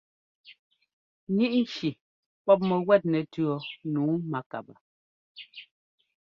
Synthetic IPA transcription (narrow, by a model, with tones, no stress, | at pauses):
ɲi˦ʔn̩˦˨t͡ʃi˨ | pɔ˦p̬̚mɛ˨wɛ˦˨t̚nɛ˨tʉ˦ɔ˨nuː˨˦ma˨ka̰˨ba̰˨